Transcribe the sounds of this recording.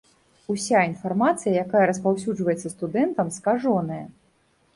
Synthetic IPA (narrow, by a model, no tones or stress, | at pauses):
usʲainfarmat̪sɨjɐjakajɐɾɐspawsʲud͡ʐvɐjɛt̪sːɐst̪ud̪ɛnt̪ɐmskaʐɔnɐjɐ